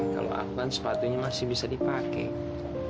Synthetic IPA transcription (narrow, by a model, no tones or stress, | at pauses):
ka̰lo̰ʔa̰fɡansə̥pat̪uɲamasɪhbisadipakɛ̰